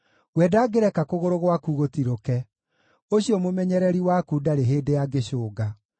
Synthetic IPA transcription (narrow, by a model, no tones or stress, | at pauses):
ɣwɛːdaːɡeɾɛkakoɣoɾoɣwakuɣotiɾokɛ | oɕiɔmomɛɲɛɾɛɾiwakudaɾeɦeːdejaɡeɕoːɡa